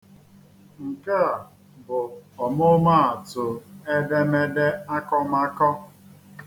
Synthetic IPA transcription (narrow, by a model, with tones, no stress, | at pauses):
ŋ̩˨ke˦a˨ | bʊ˨ɔ˨mʊ˦ma˦a˨tʊ˨e˦de˦me˦de˦a˦kɔ˦ma˦kɔ˦